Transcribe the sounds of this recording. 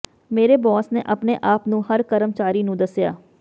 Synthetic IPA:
meːɾeːbɔːsneːʔəpneːʔaːpnũːɦəɾkəɾəmt͡ʃaːɾiːnũːd̪əsja̰ː

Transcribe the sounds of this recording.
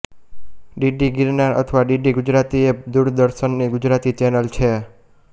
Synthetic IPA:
ɖiɖiɡɪɾnaɾə̰t̪ʰəʋaɖiɖiɡud͡ʒɾat̪ied̪uɾd̪əɾʃənːiɡʊd͡ʒɾat̪it͡ʃɛnəlt͡ʃʰe

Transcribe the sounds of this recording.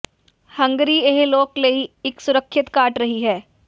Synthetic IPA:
hɐ̃ŋɡɾieɦloːkleiɪksʊɾəkʰːʃɪt̪kaːʈɾɐɦiɦɛː

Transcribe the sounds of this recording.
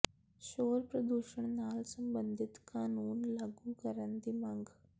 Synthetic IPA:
ʃoːɾpɾəd̪uːʃəɽ̃naːlsə̃mbə̃nd̪ʱɪt̪kaːnuːnlaːɡukəɾənd̪imɐ̃ŋɡ

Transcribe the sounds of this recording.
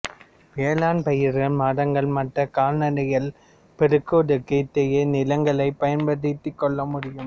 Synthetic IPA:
ʋeːlaːnpɐjɪɾɣɐɭmaːɽɐŋɡɐɭmɐʈrɐkaːlnɐɽɐjɐɭ | pɛɾɯkːoɽɯkːɐt̪ːɛjɐnɪlɐŋɡɐɭɐɪpːɐjɐnpɐðɪt̪ːɯkːɔɭːɐmʊɽɪjɯm

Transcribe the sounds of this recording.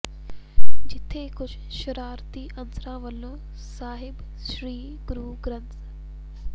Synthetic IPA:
d͡ʒɪt̪ʰːekʊt͡ʃʰ | ʃɐɾaːɾt̪iːʔɐnsɾãːʋəlːoː | saːɦɪb | ʃɾiː | ɡɾuːɡɾɐ̃nt̪

